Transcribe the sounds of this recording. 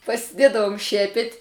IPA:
pɐsʲɪˈdʲeːdɐʋʊm ˈʃʲiɛpʲɛtʲ

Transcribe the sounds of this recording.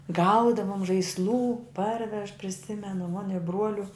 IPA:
ˈɡɐʊdɐʋoːm ʒɐɪsˈlˠuː ˈpɐrʲʋʲɛʃ pʲrʲɪˈsʲɪmʲɛnʊ moːnʲ ɪ ˈbruɔlʲʊ

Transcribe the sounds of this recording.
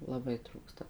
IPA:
lˠɐˈbɐɪ ˈtruːkstɐ

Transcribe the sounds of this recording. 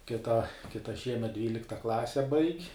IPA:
kʲɪˈtɐ kʲɪˈtɐ ˈʃʲiɛmʲɛt ˈdʲʋʲiːlʲɪktɐ ˈklˠɑːsʲɛ bɐɪkʲ

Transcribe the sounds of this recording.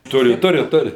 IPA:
ˈtʊrʲɪ ˈtʊrʲɪ ˈtʊrʲɪ

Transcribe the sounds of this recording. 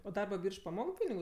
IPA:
oː dɐrbɐ ˈbʲiːrʃ pɐˈmoːk ˈpʲɪnʲɪɡʊ

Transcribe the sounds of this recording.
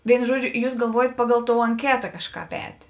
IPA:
ˈʋʲeːɪnʊ ˈʒuɔˌd͡ʒʲʊ ˈjuːs ɡɐlˠˈʋuɔjɛt ˈpɑːˌɡɐlˠ ˈtoːʊ ɐŋʲˈkʲæːtɐ ˈkɑːʃˌkɑːp ˈɛːtʲeː

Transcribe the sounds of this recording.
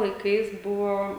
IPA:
lˠɐɪˈkɐɪs ˈbʊʋoː

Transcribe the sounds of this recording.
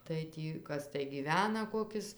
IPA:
tɐɪ ˈtʲiː ˈkɐs tɐɪ ɡʲiːˈʋʲæːnɐ ˈkoːkʲɪs

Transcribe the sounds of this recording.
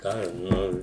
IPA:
ˈkɑː ˈnʊ

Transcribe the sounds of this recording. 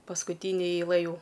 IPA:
pɐskʊˈtʲiːnʲeː ɛɪˈlˠɘ ˈjuː

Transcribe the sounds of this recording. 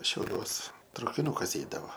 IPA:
ʃʲɛʊˈlʲuɔs trɐʊkʲɪˈnʊkɐs ˈɛɪdɐʋoː

